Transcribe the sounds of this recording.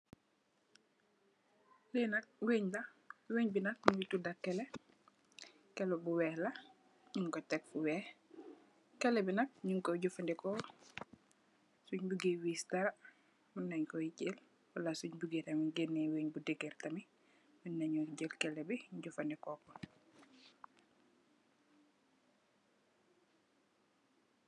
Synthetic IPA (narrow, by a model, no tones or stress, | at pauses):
linaweɲla | weɲbinak̚nuitudakːɛlɛ | kɛlɔbuwɛːhla | ɲuŋkɔtɛk̚fuwɛːh | kɛlɛbinak̚ɲuŋkɔɟɔfandɛkɔ | suɲbuɡiwistaɾa | minːaɲkɔjicel | walasuɲbuɡetamiɡenːeweːɲbudɛɡɛrtami | minːaɲuɟelkɛlɛbiɲɟufandɛkɔkɔ